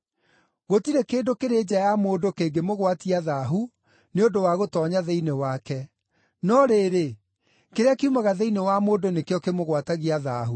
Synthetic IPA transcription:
ɣotiɾɛkeːndokeɾeːd͡ʑajamoːndokeɡemoɣwatiaðaɦu | neodowaɣotɔːɲaðeinewakɛ | nɔɾeɾe | keɾeakeumaɣaðeinewamoːndonekjɔkemoɣwataɣiaðaɦu

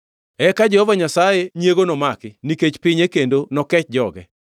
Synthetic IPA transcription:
ɛkad͡ʒɛhɔvaɲasajeɲjeɡonɔmakɪniket͡ʃpɪɲekendonɔkɛt͡ʃd͡ʒɔɡɛ̰

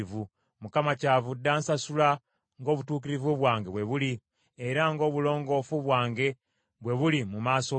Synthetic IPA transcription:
vu | mukamacavudːaːnsasula | ŋɡo̞ːβutuːkiɾivuβwaːŋɡeβwe̞βuliː | ɾaŋɡo̞ːβulo̞ːŋɡo̞ːfuβwaːŋɡe̞ | βwe̞βulimumaːso

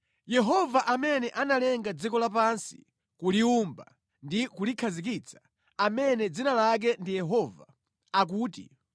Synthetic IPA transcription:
jɛɦɔvaʔamɛnɛʔanalɛŋɡad͡zikɔlap̬ansi̥ | kuliumba | ndikulikʰazik̬it͡sʰḁ | amɛnɛd͡zinalak̬ɛndijɛɦɔvaː | k̬uːtḭ

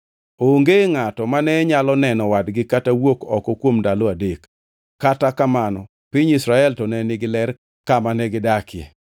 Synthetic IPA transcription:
oŋɡeŋatɔmanɛɲalɔnɛnɔwadɡɪkatawokɔkɔkwomdalɔadekː | atakamanɔ | pɪɲisɾaɛltɔnɛnɪɡɪlɛr | kamanɛɡɪdakɪɛ̰

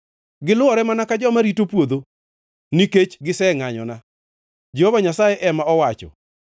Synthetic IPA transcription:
ɡɪlʊɔɾɛmanakad͡ʒɔmaɾitopwod̪o | niket͡ʃɡɪsɛŋaɲɔna | d͡ʒehovaɲasajɛʔɛmaɔwat͡ʃɔ̰

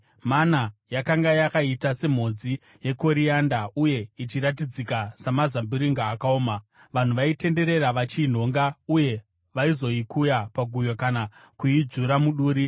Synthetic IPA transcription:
manajakaŋɡajakaitase̞m̤o̞d͡zi | je̞ko̞ɾijandauje̞it͡ʃiɾat̬id͡zikasamazambiɾiŋɡaːkaoːma | ʋan̤uʋaite̞nde̞ɾe̞ɾaʋat͡ʃin̤o̞ŋɡauje̞ | ʋaizo̞ikujapaɡʱujokanakuid͡ʒuɾamuɗuːɾi

